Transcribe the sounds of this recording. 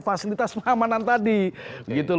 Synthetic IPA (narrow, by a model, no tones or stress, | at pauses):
fasilit̪asmamanant̪adibəɡit̪u